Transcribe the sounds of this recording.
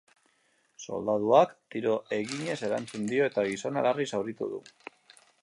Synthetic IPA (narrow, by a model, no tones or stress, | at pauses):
so̞̰ld̪að̞uakt̪iɾo̞ʔe̞ɣiɲe̞se̞ɾa̰nt͡sund̪io̞e̞t̪aɣ̞iso̞nalarisawɾit̪ṵðṵ